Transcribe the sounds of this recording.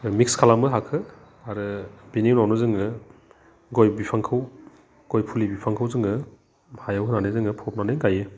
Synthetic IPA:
mik̚skʰalamɯɦakʰɯ | aɾɯbiniwnawnɯzɯŋɯ | ɡɔjbipʰaŋkʰɯw | ɡ̥ɔjpʰulibipʰaŋkʰɯwzɯŋɡɯ | hajawɦɯnanɯjzɯŋɯpʰɔp̚nanɯjɡajɯ

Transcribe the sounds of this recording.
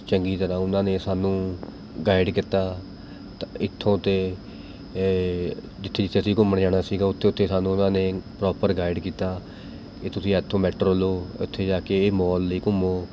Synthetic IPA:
t͡ʃəŋɡiːt̪əɾãːʊnãːneːsaːnũː | ɡaːɪɖkɪt̪aː | t̪ɪt̪ʰːõːt̪eː | d͡ʒɪt̪ʰːeːd͡ʒɪt̪ʰːeːsiːkʊmːənd͡ʒaːɽ̃aːsiːɡaːʊt̪ʰːeːʊt̪ʰːeːsaːnũːʊnãːneːpɾɔːpəɾɡaːɪɖkiːt̪aː | ket̪ʊsĩːɛːt̪ʰːoːmɛːʈəɾoːloːʊ̰t̪ʰːeːd͡ʒaːkeːeːmɔːlːəiːkʊmoː

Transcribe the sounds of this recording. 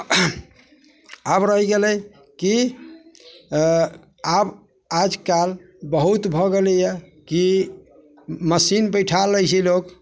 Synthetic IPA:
abɾəɦiɡelɛj | ki | ab | ad͡ʒkal | bəɦut̪bʱɔɡeləjɛ | ki | məsinpəjʈʰalːəjt͡ʃʰilok

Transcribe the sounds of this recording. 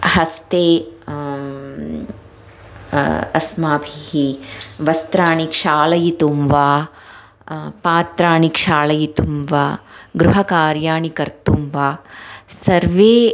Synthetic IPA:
hɐst̪eː | ɐ̰smaːbʱiɦiʋɐst̪ɾaːɳikʂaːlɐjit̪umʋaː | paːt̪ɾaːɳikʂaːlɐjit̪umʋaːɡɾuɦɐkaːɾjaːɳikɐɾt̪umʋaːsɐɾʋeː

